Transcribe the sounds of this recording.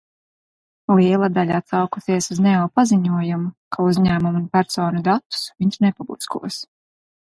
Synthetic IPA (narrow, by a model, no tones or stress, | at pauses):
liɛlˠad̪aʎʲaat̪sawkusiɛsuznɛɔːpaziɲuɔjumukʰauzʲɲæːmumunpæɾsoːnud̪at̪ːu̥sviɲʃnɛpablˠiskṵɔs